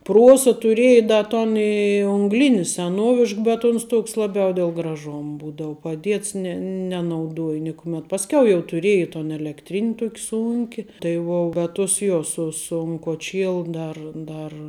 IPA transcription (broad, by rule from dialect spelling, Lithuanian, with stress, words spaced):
ˈpruɔsɐ tʊˈrʲiɛjɛ ˈdɐ toːn ɪ ʊŋɡˈlʲɪnʲɪ sʲɛˈnuɔʋʲɪʃk bʲɛt ʊns ˈtʊks ˈlˠɑːbʲɛʊ dʲɛlˠ ɡrɐˈʒoːm ˈbuːdɐʊ pɐˈdʲiɛts nʲɛ nʲɛnɐʊˈduɔj ˈnʲɪkʊmʲɛt pɐsʲˈkʲɛʊ jɛʊ tʊˈrʲiɛj toːn ɛlʲɛkˈtʲrʲɪnʲ ˈtuɔkʲ ˈsʊŋʲkʲɪ tɐɪ ˈʋuɔ bʲɛt tʊs ˈjoː ˈsʊ sʊn koːˈt͡ʃʲiɛlˠʊ ˈdɐr ˈdɐr